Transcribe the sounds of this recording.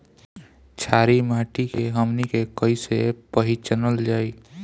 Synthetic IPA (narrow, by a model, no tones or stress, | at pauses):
t͡ʃʰaːɾimaːʈikeɦəmnikekəisepəɦit͡ʃənəld͡ʒaːi